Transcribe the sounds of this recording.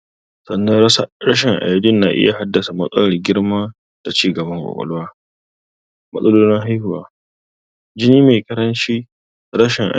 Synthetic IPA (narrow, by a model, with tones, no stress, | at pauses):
sɐ˨nːɐ˦ɽɐ˦ʃ̬ɪ˨ŋʔa̰˨jdʊ˦nːa˨ʔɪ̰˦ja˨ha˦dːɐ˨sa˨mɐ˦sʼɐ̰˦lɐ˨rɡʲɪ˦ɽmaː˦ | d̥a˨t͡ʃiː˦ɡɐ˨bɐ˦ŋkʷʼɔ̰˨kʼɔ̰˦lwaː˦ | mɐ˦sʼɐ˦loː˦nɪ˦ŋɦa˦jhʊ˨waː˦ | d͡ʒɪ˦niː˦me˨kɐ˦ɾɐ˦nt͡ʃiː˦˨ | ɽɐ˦ʃɪ˨ŋʔa̰˨